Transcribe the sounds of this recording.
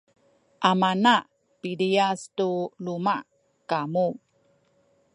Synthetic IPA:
ʔamanaʔ | piliastulumaʔ | kamu

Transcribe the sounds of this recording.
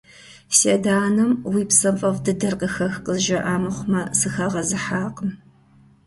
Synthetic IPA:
seːdaːnɐmwiːpsɐpʼɐvdɨdɐrqəxɐxqəzʒɐʔaːmɨχʷʊmɐsɨxɐʁɐzɨħaːqəm

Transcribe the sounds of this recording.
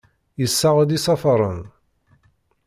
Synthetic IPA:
jəsːaʁd̪isˤɑfɾˤə̰n

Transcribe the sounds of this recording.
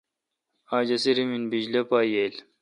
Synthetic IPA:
aːd͡ʑɐsiɾiminbid͡ʑlɐpaːjel

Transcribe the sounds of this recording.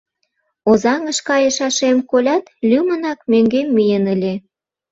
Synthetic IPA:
ozɑŋə̆ʃkɑjə̆ʃɑʃemkolʲɑt̪lʲymənɑkmøŋɡemːyjənəlʲe

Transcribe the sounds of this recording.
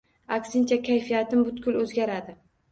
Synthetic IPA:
akʲsɪnt͡ʃʰakʲʰajfijat̪ʰɪmbʊt̪kʲʊlɵzɡʲaɾad̪ɪ

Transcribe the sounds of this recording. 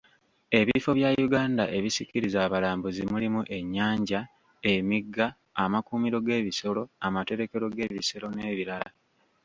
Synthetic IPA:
e̞βifo̞βjajuɡaːndaʔe̞βisiciɾizaːβalaːmbuzimulimuʔe̞ɲːaːɲɟa | emiɡːaː | makuːmiɾo̞ɡe̞ːβiso̞lo̞amate̞ɾe̞ke̞ɾo̞ɡe̞βise̞ɾo̞ne̞ːβiɾala

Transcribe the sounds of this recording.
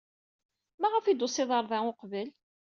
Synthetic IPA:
mæʁəfid̪ʊsɪðˤɑɾˤðˤæʊqvəl

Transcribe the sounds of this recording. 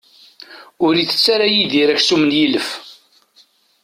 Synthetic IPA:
ʊɾiθə̥t͡sːaɾajiðiɾæçsumənjiləf

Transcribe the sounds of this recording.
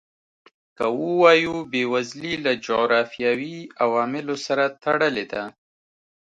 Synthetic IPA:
kawəwɑjubewazlilad͡ʒoɣɾɑfijawiawɑmɪlosaɾat̪aɽəled̪a

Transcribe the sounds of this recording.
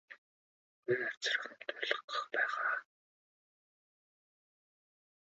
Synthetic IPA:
iat͡sə̆r̆χə̆nt̪ʰʊɮə̆qə̥̆χpæːʁaː

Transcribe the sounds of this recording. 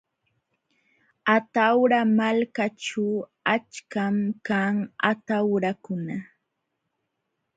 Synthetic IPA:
at̪awɾamalkaʈ͡ʂuat͡ʃkamkaŋa̰t̪awɾakʊna

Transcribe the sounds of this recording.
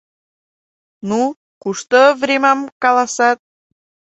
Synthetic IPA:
nu | kuʃt̪ovrʲemɑmkɑlɑsɑt̪̚

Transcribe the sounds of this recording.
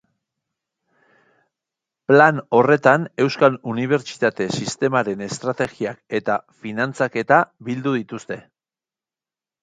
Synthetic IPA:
plano̞re̞t̪ane̞wskaluniβ̞e̞ɾt͡ʃi̥t̪at̪e̞sist̪e̞maɾe̞ne̞st̪ɾat̪e̞ɣiake̞t̪afinant͡sake̞t̪aβild̪uðit̪ust̪e̞

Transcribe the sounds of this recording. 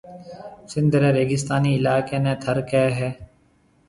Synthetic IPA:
sɪ̃nd̪ʱɾɛːɾeːɡɪst̪aːniːɪlaːkeːnɛ̃ːt̪ʰəɾkɛɦɛː

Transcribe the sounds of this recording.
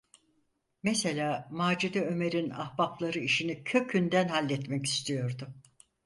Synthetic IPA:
meselʲaːmaːd͡ʒid̪ɛø̞me̞ɾina̰hbaplˠaɾɯiʃinicʰø̞cʰynd̪ænhalʲːɛt̪mɛci̥st̪ʰijo̞ɾd̪ʊ

